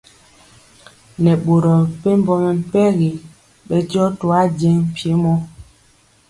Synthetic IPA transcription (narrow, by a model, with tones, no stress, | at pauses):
nɛ˨ɓo˨ɾɔ˨pe˦m̩˦bɔ˦mɛ˨m̩˨pɛ˦ɣi˨ | ɓɛ˦tjɔ˦to˨a˦d͡ʒɛ˦ŋm̩˨pje˦mɔ˦